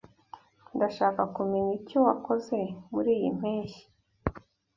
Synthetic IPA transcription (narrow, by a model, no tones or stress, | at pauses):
ndaʃaːkakumeɲicowako̞ze̞muɾiːjḭm̥eːɲʃi̥